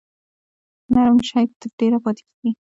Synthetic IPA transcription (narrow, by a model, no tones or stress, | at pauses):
naɾamʃajk̚t̪əɾɖeɾapɑt̪ɪ̥ke̥ɡi